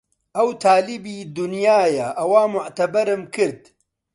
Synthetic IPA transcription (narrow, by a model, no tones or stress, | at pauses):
ʔɐwt̪ʰaːlibiːd̪ʊnjaːjaʔɐwaːmʊʕt̪ɐbɐɾɨmkʰɨɾd̪